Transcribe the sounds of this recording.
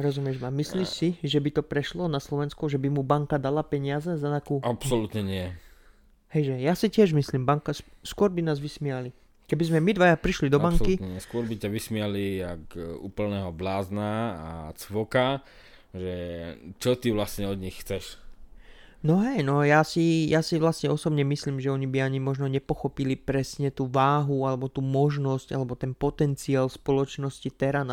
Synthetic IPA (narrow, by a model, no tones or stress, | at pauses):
ɾɔzumɪɛʒmamisliʃsiʒɛbit̪ɔpɾɛʃlɔnaslɔʋɛnskuʒɛbimubaŋkad̪alapɛɲɪazɛzat̪akuːapsɔlut̪ɲɛɲɪɛ | hɛjʒɛjasicɪɛʒmisliːmbaŋkasskʊɔɾbinaːzʋismiali | kɛbizmɛmid̪ʋajapɾiʃlid̪ɔbaŋkiɲɛɲɪɛskʊɔɾbicaʋismɪalijakṵːpl̩nɛːɦɔblaːznaa̰t͡sʋɔka | ʒɛt͡ʃɔt̪iʋlasɲɛɔd̪ɲixxt͡sɛʃ | nɔɦɛjnɔjaːsijasiʋlasɲɛɔsɔbɲɛmisliːmʒɛɔɲibiaɲimɔʒnɔɲɛpɔxɔpilipɾɛsɲɛt̪uːʋaːɦualɛbɔt̪uːmɔʒnɔscalɛbɔt̪ɛnpɔt̪ɛnt͡siaːlspɔlɔt͡ʃnɔscit̪ɛɾan